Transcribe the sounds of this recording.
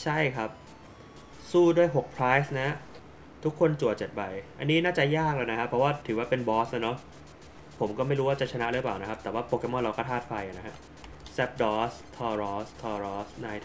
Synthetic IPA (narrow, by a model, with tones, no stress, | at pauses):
t͡ɕʰa˥˩jkʰa˦˥p̚ | suː˥˩du˥˩əjɦo˨˩k̚pʰɾaː˦˥jsna˦˥ | t̪ʰu˦˥kʰːo˧nt͡ɕu˨˩t͡ɕe˨˩t̪̚ba˨˩jʔa̰˧nːiː˦˥naː˥˩t͡ɕa˨˩jaː˥˩k̚lɤː˧jna˦˥kʰa˦˥pʰːɾɔ˦˥waː˥˩t̪ʰɯː˩˦waː˥˩pe˧nbɔː˦˥sla˧˩nɔ˦˥ | pʰo˩˦mkɔː˥˩ma˥˩jɾuː˦˥waː˥˩t͡ɕa˨˩t͡ɕʰa˧na˦˥ʔɾɯ˦ə˩paː˨˩wna˦kʰa˦˥pt̪ɛː˨˩waː˥˩poː˧ke˧mɔ˥nɾa˧wkɔː˥˩t̪ʰaː˥˩t̪̚fa˧jʔa˨˩na˦kʰa˦˥ | sɛ˦˥p̚dɔː˦˥st̪ʰɔː˧ɾɔː˦˥st̪ʰɔː˧ɾɔː˦˥sna˧j